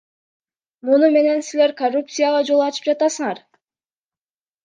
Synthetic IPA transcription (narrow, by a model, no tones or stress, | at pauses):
munume̞ne̞nsile̞ɾkorːup̚t̪sɨjaʁɑd͡ʒo̞lˠɑt͡ʃɯ̥p̚d͡ʒɑt̪ɑsɯɴɑɾ